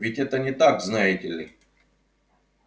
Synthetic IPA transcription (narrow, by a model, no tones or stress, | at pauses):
vʲɪtʲɛt̪ənʲɪt̪aɡznajɪtʲɪlʲɪ